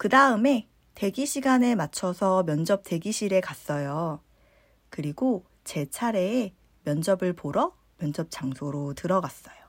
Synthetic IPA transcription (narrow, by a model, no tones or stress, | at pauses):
kɯdaɯme̞ | te̞ɡiɕʰiɡane̞mat͡ɕʰʌsʰʌmjʌnd͡ʑʌp̚t͈e̞ɡiɕʰiɾe̞kas͈ʌjo | kɯɾiɡo | t͡ɕe̞t͡ɕʰaɾe̞ː | mjʌnd͡ʑʌbɯɭpoɾʌ | mjʌnd͡ʑʌp̚t͡ɕ͈aŋsʰoɾotɯɾʌɡas͈ʌjo